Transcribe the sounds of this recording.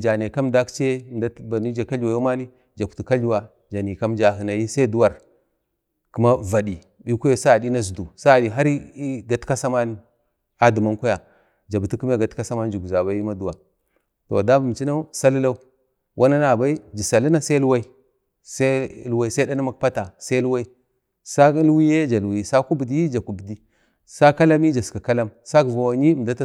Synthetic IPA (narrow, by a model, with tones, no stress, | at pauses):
d͡ʒa˨ne˨ka˦mda˦kt͡ʃe˦˨nda˦ba˨ni˦d͡ʒa˨ka˦ɮu˨wa˨jo˦ma˦ni˦ | d͡ʒa˨ktu˨ka˦ɮu˦wa˨ | d͡ʒa˨ni˨ka˦md͡ʒa˨ɦi˨na˨ji˦sa˦i˦du˦wa˨ɾ | ku˦ma˦va˨di˨ | bi˦ku˦jo˦sa˦˨di˦na˦zu˨du˨sa˦˨di˨ɦa˦ɾi˦i˦ɡa˨tka˦sa˦ma˦n˦ | a˦du˨ma˦nkʷa˦ja˨ | d͡ʒa˨bu˨ti˦km˦a˦˨ɡa˨tka˦sa˦ma˦n˦d͡ʒu˨ɡu˨za˨ba˨˦ji˦ma˦du˨wa˨ | to̰˨da˦bu˨m˨t͡ʃi˦na˦sa˦li˦la˦u˦ | wʔa˦na˦na˨ba˦i˦d͡ʒi˨sa˨li˦na˦sa˦lu˦wa˦i˦ | sa˦lu˦wa˦i˦sa˦i˦da˦na˦ma˦kpa˦ta˨sa˦i˦lu˦wa˦i˦ | sa˦lwi˦je˦d͡ʒa˨lwi˦˨sa˦ku˦bi˨di˦i˦d͡ʒa˨ku˨bdi˦ | sa˦ka˦la˦mi˦d͡ʒa˨ska˨ka˦la˦msa˦ɡva˨wa˨ɲi˦˨m˨da˦ta˦